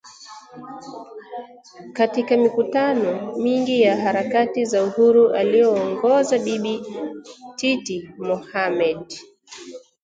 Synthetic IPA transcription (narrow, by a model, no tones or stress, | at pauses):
katikamikutanɔmiŋɡijaɦaɾakatizauhuɾuʔalijɔːŋɡɔzaɗiɓi | titimɔhamɛd